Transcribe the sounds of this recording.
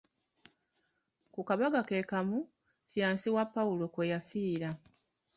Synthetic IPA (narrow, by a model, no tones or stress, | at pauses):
kukaβaɡake̞kamu | fjaːnsiwapːaulo̞kwejafiːɾa